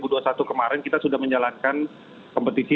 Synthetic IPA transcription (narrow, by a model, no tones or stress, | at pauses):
buduasat̪ukəmaɾɛnkit̪asudahməɲd͡ʒalankan | kɔmpət̪isi